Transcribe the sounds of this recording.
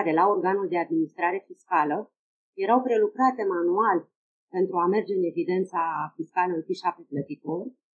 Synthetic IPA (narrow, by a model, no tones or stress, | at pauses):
ɾe̞lao̞rɡanuld̪e̞ad̪minist̪ɾaɾe̞fiskalə | je̞ɾawpɾe̞lukɾat̪e̞manual | pe̞nt̪ɾuame̞rd͡ʒe̞ɨne̞vid̪e̞nt̪safiskalənfiʃap̚t̪eplət̪iko